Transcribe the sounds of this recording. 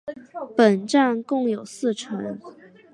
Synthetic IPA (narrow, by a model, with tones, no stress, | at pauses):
pə˨˩nʈ͡ʂa˥˧nkʊ˥˩ŋjo˨˩ʊsɹ̩˥˩ʈ͡ʂʰə˧˥ŋ